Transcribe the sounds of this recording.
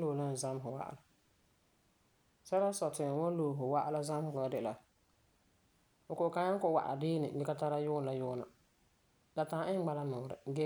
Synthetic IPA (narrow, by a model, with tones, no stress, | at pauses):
loː˨la˦n˨za˦m˦ɦʊ˨wa̰˦ʔa̰˨la˨ | sɛ˦ɾa˦sɔ˨tɪ˨wo˦loː˨ɦʊ˨wa˦ʔa˦la˦za˦mhʊ˨la˨˦dɪ˦˨la˨ | ʊ˨kʊ˨ka˨ɲa˦kʊ˨wa̰˨ʔa̰˨dɪː˦nɪ̰˨bɪ˦ka˦ta˦ɾa˦jʊ˦n˨la˦jʊː˦na̰˨ | da˨tã˨ʔɪ˦ŋ˦ɡ͡ba˦la˦nʊː˨ɾɪ̰˨ɡɛ˦